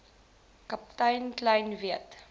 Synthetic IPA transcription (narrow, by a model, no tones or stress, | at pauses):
kɐp̚tɐjnklɐjnviət